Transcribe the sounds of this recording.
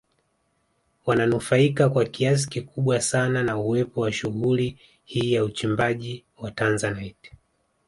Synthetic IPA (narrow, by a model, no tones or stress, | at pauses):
wananufaikakwakias̬i̥kikuɓwasananauwɛpɔwaʃuɣuli | hiːjaut͡ʃimbaʄiwatanzanajt